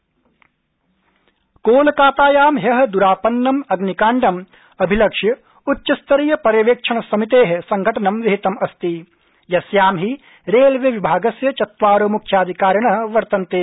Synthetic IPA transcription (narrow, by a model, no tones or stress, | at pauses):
koːlɐkaːt̪aːjaːmɦjɐɦɐ̆d̪uɾaːpɐnːɐmɐɡnikaːɳɖɐm | ɐbʱilɐkʂjɐ | utːʃɐst̪ɐɾijɐpɐɾjɐʋeːkʂʰɐɳ̃ɐsɐmit̪eːɦsɐŋɡʱɐʈɐnɐmʋɐɦit̪ɐmɐst̪i | jɐsjaːmɦi | ɾeːlʋjɐʋibʱaːɡɐsjɐt͡ʃɐt̪ʋaːɾoːmukʃʰaːd̪ʱikaːɾjɐɳɐɦʋɐɾt̪ɐnt̪eː